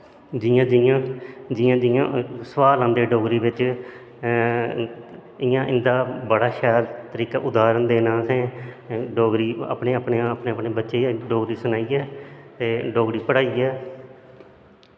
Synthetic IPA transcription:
d͡ʒɪjãːd͡ʒɪjãːd͡ʒɪjãːd͡ʒɪjãːsəʋaːlãːnd̪eːɖoːɡɾiːʋɪt͡ʃ | ɪjãːʔɪ̃nd̪aːbəɽaːʃɛːlt̪əɾiːkaːʔʊd̪aːɾənd̪eːnãːsɛ̃ːɖoːɡɾiːa̰ːpɳeːapɳeãəpneːəpneːbətːʃeːɖoːɡɾiːsənaːiːɛːt̪eːɖoːɡɾiːpəɽaːiːɛː

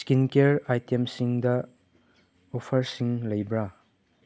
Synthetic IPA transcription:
skinkeɾajtemsiŋdɐ | opʰɐɾsiŋlɐjbɾa

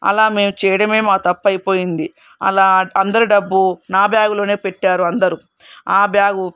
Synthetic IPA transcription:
ɐ̰laːme̞ːmut͡ʃɛːjɐɽɐme̞ːmaːkt̪ɐpːɐjpo̞ːjind̪i | ɐ̰laːɐnd̪ɐɾiɖɐbːunaːbjaːɡɐlo̞ːne̞ːpeʈːaːɾuɐnd̪ɐɾu | aːbjaːɡu

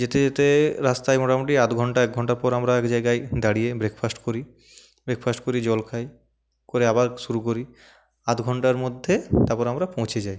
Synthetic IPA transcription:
d͡ʑet̪ed͡ʑet̪eɾast̪ajmɔʈamuʈ̬iat̪ɡʱɔɳʈaɛk̚ɡʱɔɳʈaɾpɔɾamɾaɛkd͡ʑajɡajd̪aɽijebɾekfʰasʈkoɾi | bɾekfʰasʈkoɾid͡ʑɔlkʰaj | koɾeabaɾʃuɾuk̬oɾi | at̪ɡʱɔɳʈaɾmod̪ʱːet̪aɾpɔɾamɾapõw̃t͡ɕʰed͡ʑaj

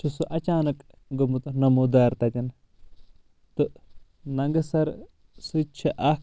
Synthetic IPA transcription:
t͡ʃʰusuʔɐt͡ʃaːnɐk | ɡumut̪ɨnɐmud̪aːɾt̪ɐt̪ʲin | t̪ɨ | nɐŋɡɐsɐɾ | sɨt͡ʃʰiʔɐ

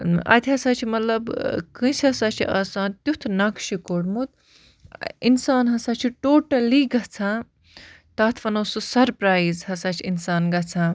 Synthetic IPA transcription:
ɐ̰t̪ʲʰiɦɐsaːt͡ʃʰimɐt̪lɐbkɨ̃sɐsaːt͡ʃʰiʔa̰ːsãːnt̪jut̪ʰnɐkʃikoɽmut̪̚ | insaːnɦɐsaːt͡ʃʰiʈoːʈɐliɡɐt͡sʰãː | t̪ɐːt̪ʰfɐnɐːsusɐɾpɾaːizɦɐsaːt͡ʃʰiinsaːnɡɐt͡sʰãː

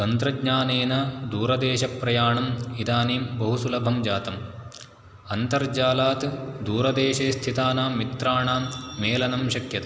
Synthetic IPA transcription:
t̪ɐnt̪ɾɐɡɲaːneːnɐd̪uːɾɐd̪eːʃɐpːɾɐjaːɳɐmid̪aːneːmbɐɦusulɐbʱɐmd͡ʒaːt̪ɐm | ɐnt̪ɐɾd͡ʒaːlaːt̪d̪uːɾɐd̪eːʃeːst̪ʰit̪aːnaːmmːit̪ɾaːɳaːmːeːlɐnɐmʃɐkjɐt̪

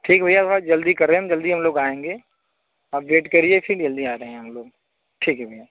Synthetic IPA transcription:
ʈʰiːkbʱɐjasaːd͡ʒɐld̪ikɐɾeɦɛ̃d͡ʒɐld̪iɦɐmloːɡaːẽːŋɡeː | aːpʋeːʈkɐɾiepʰɪɾd͡ʒɐld̪iaːɾɐɦɛ̃ɦɐmloːɡ̚ | ʈʰiːkɦɛbʱɐjaː

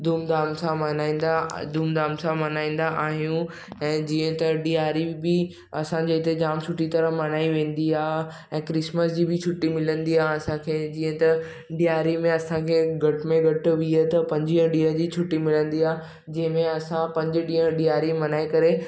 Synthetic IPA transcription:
d̪uːmd̪aːmsãmɐnaːĩːn̆d̪ad̪uːmd̪aːmsãmɐnaːĩːn̆d̪aʔaːɦijũ | ɛ̃ːd͡ʑiːə̃t̪ɐɗiaːɾibɪ | ɐsãd͡ʑiɪt̪ed͡ʑaːmt͡ɕʰʊʈit̪ɐɾəmɐnaːiʋẽːnd̪iaːɦ | ɛ̃ːkɾɪsməsd͡ʑiːbɪt͡ɕʰʊʈːimɪlə̃nd̪iaːɦɐsãkʰeːd͡ʑiːə̃t̪ɐ | ɖijaːɾimẽɐsãkʰeːɡʱɐʈɪmẽɡʱɐʈ̆ʋiət̪ɐpɐ̃ɲd͡ʑiɦə̃ɗiːəɦd͡ʑiːt͡ɕʰʊʈːimɪlə̃nd̪iaː | d͡ʑɐ̃ɦɪ̃mẽɐsãpɐ̃ɲd͡ʑɪ̆ɗiːə̃ɗijaːɾimɐnaːikɐɾe

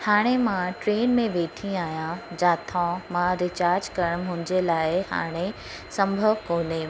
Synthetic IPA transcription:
haːɽ̃emãʈɾeːnmẽʋeːʈʰĩaːɦjãd͡ʑaːt̪ʰãmãɾɪt͡ɕaːɾd͡ʑkɐɾəɽ̃mʊ̃ɦɪ̃d͡ʑelaːɪha̰ːɽ̃e | sɐ̃mbʱəʋkoːne

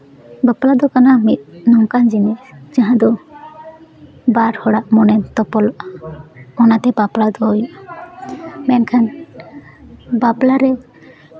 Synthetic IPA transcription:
bəplad̪ɔkanamit̪̚nɔŋkand͡ʒinisd͡ʒaɦãd̪ɔ | baɾhɔɽaʔmɔnɛnt̪ɔpɔl | ɔnat̪ɛbaplad̪ɔɔj | mɛnkʰan | baplaɾɛ

